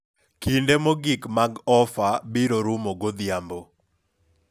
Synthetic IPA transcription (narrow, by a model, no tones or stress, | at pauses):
kindemoɡikmaɡɔfabiɾoɾumoɡod̪jambo